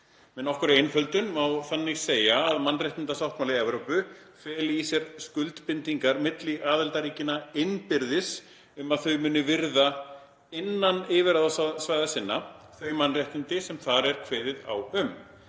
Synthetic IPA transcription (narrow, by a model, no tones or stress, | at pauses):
mɛnɔhkʏɾɪɪjnfœlt̪ʏnmawθanːɪɣseːjaːðmanːrɛjht̪ɪnt̪asawht̪mawlɪɛvɾowpʏ | fɛːlɪisjɛɾ̥skʏlt̪pɪnt̪iŋkaɾmɪt̪lɪʔaːðɛlt̪aɾiːcɪnaɪnpɪɾðɪs | ʏmaðθœɥmʏːnːʏvɪɾða | ɪnːanɪːvɪɾaðasasvajðasɪnːaθœɥmanraht̪nɪnt̪ɪsɛmθaɾɛɾ̥kʰvɛːðɪða̰wʏm